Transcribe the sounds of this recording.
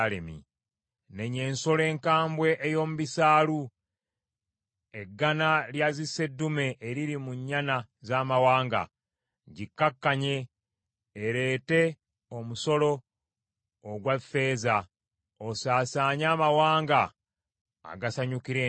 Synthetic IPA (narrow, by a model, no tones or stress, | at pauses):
lḛmḭ | ne̞ɲe̞ːnso̞le̞ːŋkaːmbwe̞ʔejo̞ːmuβisaːlu | e̞ɡːanaljazise̞dːume̞ʔeɾiɾimuɲːanazaːmawaːŋɡa̰ | ɟikːakːaɲe̞ː | ɾe̞ːte̞ | o̞muso̞lo̞ | ɡwafe̞ːza | osaːsaːɲaːmawaːŋɡa̰ː | ɡasaɲukiɾe